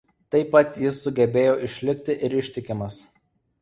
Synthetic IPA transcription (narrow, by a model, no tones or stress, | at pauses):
t̪ɐɪpːɐt̪ʲjɪsːʊɡʲɛbʲeːjoːʔɪʃʲlʲɪkʲt̪ʲɪʔɪɾɪʃʲt̪ʲɪkʲɪmɐs